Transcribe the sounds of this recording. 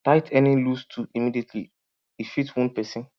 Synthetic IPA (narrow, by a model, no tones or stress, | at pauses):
taɪtʰɛnilustʰuimidietʰli | ifitwɔ̃npɛsĩn